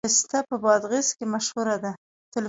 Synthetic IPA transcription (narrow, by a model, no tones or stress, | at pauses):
ɪst̪apəbɑd̪ɣiskemaʃhuɾad̪a | t̪ɪl